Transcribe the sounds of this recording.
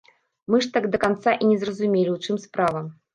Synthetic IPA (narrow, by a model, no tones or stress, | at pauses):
mɨʂt̪aɡd̪ɐkant̪saʔinʲɛzrɐzumʲelʲiwt͡ʂɨmspɾavɐm